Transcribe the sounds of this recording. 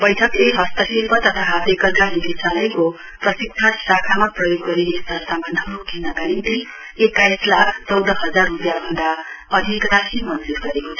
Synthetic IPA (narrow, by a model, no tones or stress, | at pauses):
bʌjʈʰʌkeɦʌst̪ʌsilpʌt̪ʌt̪ʰaɦat̪ekʌrɡanit̪isalʌjko | prʌsik̚t͡sʰasakʰamaprʌjoɡːʌɾiest̪ʌrsambʱʌnd̪ʱʌnokʰinaɡaɾint̪i | ekajslakʰt͡sʌwd̪ʱʌɦʌd͡zarrupjabʱʌnd̪aʌd̪ʱikrasimʌnd͡zurɡʌɾekot͡sʰʌ